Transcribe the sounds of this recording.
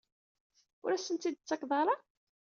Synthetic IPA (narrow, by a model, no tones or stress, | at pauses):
ʊ̰ɾæsənt̪id̪̚t͡sːɑkðˤɑɾɑ